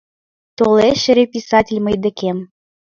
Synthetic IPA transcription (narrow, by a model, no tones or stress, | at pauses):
t̪oleʃɘ̆ɾepʲisɑtʲɪlʲmə̆jd̪ə̆kem